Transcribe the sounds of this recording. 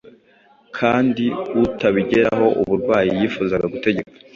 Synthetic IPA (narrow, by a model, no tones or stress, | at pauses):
kʰaːndiutaβiɟe̞ɾaɦo̞ʔuβuɾɡwaːjijifuzaɡaɡute̞ɟe̞kḁ